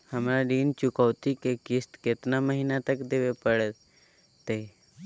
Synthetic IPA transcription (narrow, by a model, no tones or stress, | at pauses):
həmɾaɾiːnt͡ʃʊkəʋt̪ikekɪst̪ket̪naməɦinat̪əkd̪eʋepəɽ | t̪e